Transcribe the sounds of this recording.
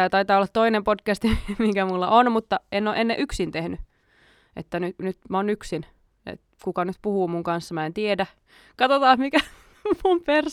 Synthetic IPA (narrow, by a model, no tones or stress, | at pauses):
æːt̪ɑit̪ɑːolːɑt̪toinempodkæst̪imikæmulːɑʔonmut̪ːɑenːoːʔenːeʔyksint̪ehny | ʔḛt̪ːænynyt̪mæonyksin | ḛt̪ | kukɑnyt̪puhuːmuŋkɑnsːɑmæent̪iedæ | kɑt̪ot̪ɑːhmikæ | mumper